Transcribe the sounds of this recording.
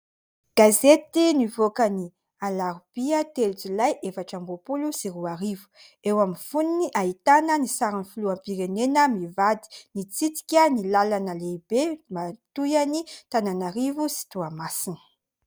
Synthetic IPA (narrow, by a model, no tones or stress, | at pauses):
ɡ̥azet̪inivokəni | alaɾub̥iət̪eld͡zulajʔefaʈ͡ʂambopulusiruaɾivu̥ | ewaminfuniniʔaɦit̪anənisaɾanifuluampiɾenenəmivad̪i̥nit͡sit̪i̥kʲənilalanəleibemat̪ujanit̪ananaɾivusi̥t̪uamasinə̥